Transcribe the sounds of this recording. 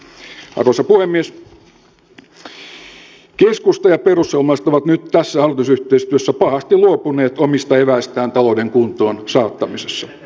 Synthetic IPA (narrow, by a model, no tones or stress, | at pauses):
ɑ̰rʋosɑpuhemːies | keskust̪ɑjɑperusːelmɑist̪oʋɑt̪nyt̪t̪æsːæhɑrlit̪usyht̪eist̪yøsːæpɑhɑst̪iluopuneːt̪omist̪ɑeʋæist̪æːnt̪ɑlodeŋkunt̪oːnsɑːt̪ːɑmisesːɑ